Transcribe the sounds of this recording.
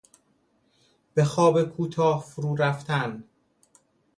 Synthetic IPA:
b̥e̞xɒːbekʰuːt̪ʰɒːhfuɾuːɾæft̪ʰæn

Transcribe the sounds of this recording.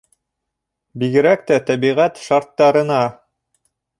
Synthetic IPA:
biɡɘ̆ɾæk̚t̪æt̪æβiʁæt̪ʃɑɾt̪ːɑɾɤ̆nɑ

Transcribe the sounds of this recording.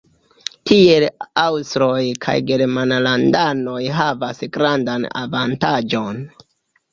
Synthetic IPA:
tie̞lawstɾojkʰa̰jɡe̞ɾmanalandano̞jɦavasɡɾandana̰vantad͡ʒo̞n

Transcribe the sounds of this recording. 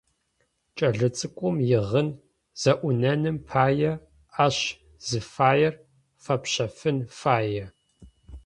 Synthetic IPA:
t͡ʃʼɐɮɨt͡sʼɨkʷʼɔmjɪʁən | z̥ɐʔʷʊnɐnɨmpʰaːjɛ | aɕ | z̥ɨfaːjɛr | fɐpɕɐfɨnfaːjɛ

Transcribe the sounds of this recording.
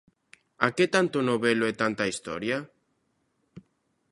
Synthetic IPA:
a̰ket̪ant̪ʊnoβeloet̪ant̪aist̪ɔ̰ɾja

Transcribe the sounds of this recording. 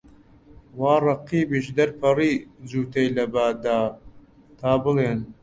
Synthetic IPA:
waːrˤɑqiːbiʃd̪ɐɾpʰɐriːd͡zuːt̪ejlɐbaːd̪aː | t̪ʰaːbɨleːn

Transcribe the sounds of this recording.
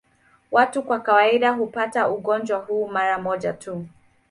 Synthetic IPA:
watukwakawaiɗaɦupatauɠɔnd͡ʒwaɦuːmaɾamɔʄatʰu

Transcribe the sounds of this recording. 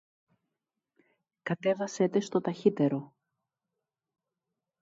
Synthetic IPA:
kɐt̪e̞vɐse̞t̪e̞st̪o̞t̪ɐçit̪e̞ɾo̞

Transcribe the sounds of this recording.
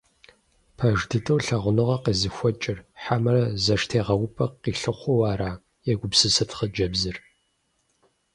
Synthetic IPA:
pʰɐʒdɨtʰʼɐwɬɐʁʷʊnɨʁɐqeːzɨxʷɔt͡ʃʼɪrħamɐrɐzɐʂtʰeːʁɐwʊpʰʼɐqiːɬɨχʷɔwaːɾaː | jɛɡʷʊpsɨsɐtχəd͡ʒɐbzɨr

